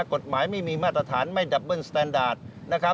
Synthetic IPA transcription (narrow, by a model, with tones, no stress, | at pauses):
ko˨˩t̪̚maː˩˦jma˥˩jmiː˧maː˥˩t̪̚ːɾa˧t̪ʰaː˩˦nma˥˩jda˨˩p̚bɤ˥˩nst̪ɛː˧ndaː˨˩t̪̚ | na˦˥kʰa˦˥